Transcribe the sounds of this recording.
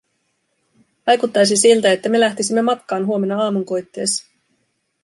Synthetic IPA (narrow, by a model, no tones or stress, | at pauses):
ʋɑjkut̪ːɑjs̬isilt̪æe̞t̪ːæme̞læht̪isimːe̞mɑt̪kɑːnɦuo̞me̞nːɑɑːmuŋko̞jt̪ːe̞ːs